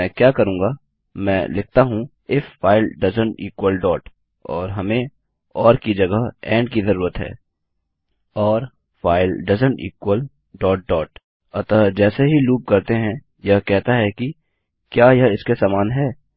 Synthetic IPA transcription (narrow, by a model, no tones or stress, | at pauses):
ɛ̃ːkjaːkɐɾũːŋɡa | mɛ̰̃ːlɪk̚ʰt̪aɦũ | ɪfːaːɪlɖɐzə̃ɳʈiːkwəlɖɔːʈ | ɔːɾɦɐmẽ | ɔːɾkid͡ʒɐɡəɦɛ̰̃ːɳɖkizɐɾuːɾət̪ɦɛ̰ː | ɔːɾ | faːɪlɖɐzə̃ɳʈḭːkwəl | ɖɔːʈ̚ɖɔːʈ | ɐt̪əd͡ʒɛːseɦiluːp̚kɐɾt̪eɦɛ̃ | jɐɦkɛɦt̪aɦɛki | kjaːjɐɦɪskesaːmaːnɦɛː